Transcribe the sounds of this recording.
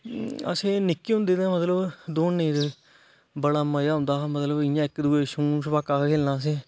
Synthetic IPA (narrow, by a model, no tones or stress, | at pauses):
ə̰sẽːnɪkːiːɦʊ̃nd̪eːd̪ãːmət̪ləbd̪oːnːẽːt̪ː | bəɽaːməjaːɦʊ̃nd̪aːmət̪ləbɪjãːɪkːd̪uːeːʃũːsəpaːkːaːkːkʰeːlnãːs̬ẽː